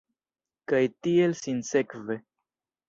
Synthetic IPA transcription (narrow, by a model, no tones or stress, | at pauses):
kajtie̞lsinse̞kve̞